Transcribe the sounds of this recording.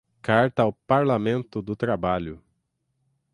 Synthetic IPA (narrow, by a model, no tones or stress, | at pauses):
kaɾt̪ɐawpaɾlamẽnt̪ʊd̪ʊt̪ɾabaʎʊ